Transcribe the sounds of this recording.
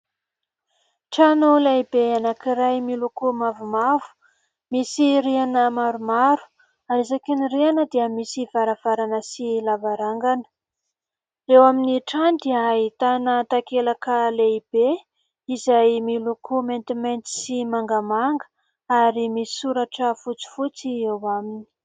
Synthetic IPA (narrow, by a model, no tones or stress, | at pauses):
ʈ͡ʂanolaibeanakiɾajmilukumavumavu̥ | misirianəmaɾumaɾu̥ | aɾizakinirianəd̪iəmisiv̥aɾav̥aɾanəsilavaɾaŋɡanə̥ | rewaminiʈ͡ʂandiait̪anət̪akelakəleib̥e | izajmilukʰument̪iment̪i̥simaŋɡamaŋɡə̥ | aɾimii̥suɾaʈ͡ʂəfut͡si̥fut͡siewamini̥